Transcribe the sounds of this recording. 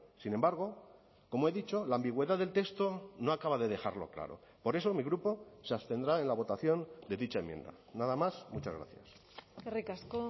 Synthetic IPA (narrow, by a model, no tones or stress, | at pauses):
sine̞mbaɾɣ̞o̞ | ko̞moe̞ðit͡ʃo̞laːmbiɣwe̞ðaðelt̪ekst̪o̞no̞akaβaðe̞ðe̞xa̰ɾlo̞̰kla̰ɾo̞̰ | po̞ɾe̞so̞miɣɾupo̞seast̪e̞nd̪ɾae̞nlaβ̞o̞t̪aθjo̞nd̪e̞ðit͡ʃae̞mje̞̰nd̪a̰ | naðamasmut͡ʃazɣɾa̰θja̰s | kerikasko